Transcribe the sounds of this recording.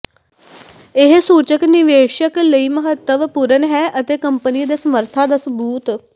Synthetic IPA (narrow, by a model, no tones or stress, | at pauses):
ɪɦsuːt͡ʃəknɪʋeːʃəkləiːməɦət̪ːəʋpuɾənɦɛːʔət̪eːkəmpənid̪eːsəməɾt̪ʰaːd̪aːsəbuːt̪